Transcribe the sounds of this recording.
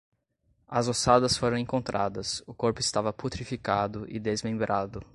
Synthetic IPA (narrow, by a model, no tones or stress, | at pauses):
ɐzosad̪ɐsfoɾɐ̃w̃ẽŋkõnt̪ɾʔad̪ɐsʊkoɾpʊɪst̪avɐput̪ɾifikad̪ʊʔɪd̪ezmẽmbɾʔad̪ʊ